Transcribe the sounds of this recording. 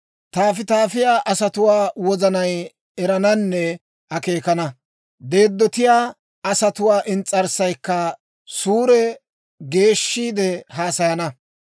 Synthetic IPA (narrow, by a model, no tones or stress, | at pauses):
t̪aːfɪt̪aːfɪjaːʔɐsɐt̪ʊwaːwɔzɐnɐj | ɛɾɐnɐnːɛ | ʔɐke̞ːkɐnɐ | d̪e̞ːd̪ːɔt̪ɪjaː | ɐsɐt̪ʊwaːʔɪnt͡sʼːɐɾsɐjkːɐ | suːɾɛ | ɡe̞ːʃːiːd̪ɛhaːsɐjɐnɐ